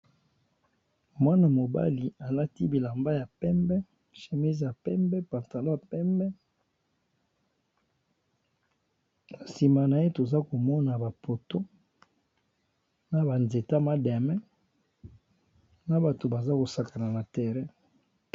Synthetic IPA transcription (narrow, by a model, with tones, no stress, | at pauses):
mwa˦na˨mo˨ba̰˦li˨a˨la˦ti˦bi˨la˨mba˦ja˨pɛ˦mbɛ˦ | ʃe˨mi˦zja˨pɛ˦mbɛ˦pa˨ta˨lo˦a˨pɛ˦mbɛ˦ | na˨si˨ma˨na˨e˦to˨za˦ko˨mɔ˦na˨ba˨pʰo˨to˦ | na˨ba˨nze˨ta˦ma˦da˨mɛ˦ | na˨ba˨to˨ba˨za˦ko˨sa˦ka˨la˨na˨tɛ˨ʁɛ˦